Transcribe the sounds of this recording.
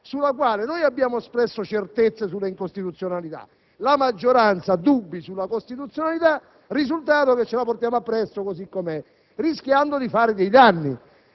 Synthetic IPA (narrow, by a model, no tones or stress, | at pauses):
sulːakwaːlɪnojabːjaːmoɛspɾɛsːot͡ʃert̪et̪sːesulːeiŋkost̪it̪ut̪sːjonalit̪a̰ | lamad͡ʒːoɾant̪sad̪ubːisulːakost̪it̪ut̪sːjonalit̪a | rizult̪aːt̪oket͡ʃːelaport̪jaːmoapːɾɛsːokosikːomɛ | riskjand̪od̪ifaːɾɪd̪ɛjd̪anːi